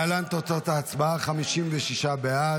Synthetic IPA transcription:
alant̪ot͡sot̪aːt͡sbaaχamiʃimveʃiʃabea

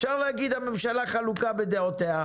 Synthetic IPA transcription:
fʃaʁlehaɡid̪hamemʃalaχalukabed̪eot̪eha

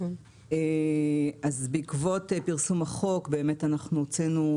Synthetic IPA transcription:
e | azbeikvo̞tepiʁsumaχo̞kbe̞ːme̞tanaχnuot͡senu

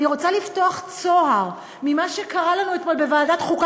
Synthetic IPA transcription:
iʁo̞t͡salifto̞aχt͡so̞ɦaʁ | mimaʃekaʁalanuet̪mo̞lbe̞vaːdat̪χuk

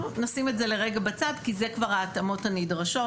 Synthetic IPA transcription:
nasimetzeleʁeɡabat͡sadkizekvaʁhaːtamo̞thanidʁaʃo̞

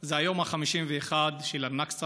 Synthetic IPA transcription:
zeajo̞maχamiʃimveeχad̪ʃelanaks

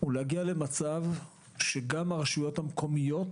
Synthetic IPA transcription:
ulehaɡiale̞mat͡sav | ʃe̞ɡamaʁaʃujo̞thamkʰo̞mijo̞t

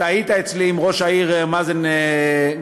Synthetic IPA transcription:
ait̪aet͡sliːmʁo̞ʃaiʁmazene

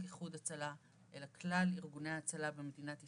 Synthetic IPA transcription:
kiχud̪at͡sala | ʔelakʰlaliʁɡuneaat͡salabemed̪inat̪i

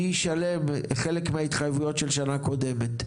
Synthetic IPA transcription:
iʃalemχelekmeait̪χajvujo̞tʃelʃanako̞de̞met

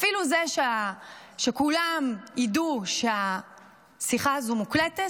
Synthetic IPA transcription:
afiluzeʃeaʃekulamiduʃea | siχazumuklete

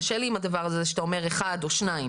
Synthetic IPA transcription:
ʃeliimadavaʁazeʃet̪aome̞ʁeχadoʃnaim

